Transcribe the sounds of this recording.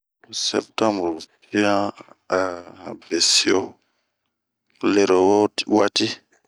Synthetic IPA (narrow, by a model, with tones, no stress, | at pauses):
sɛ̰˨p̚tã˦mbɾti˦ã˦a˨be˨si˦o˦ | le˨ɾo˨wo˦wa˦ti˦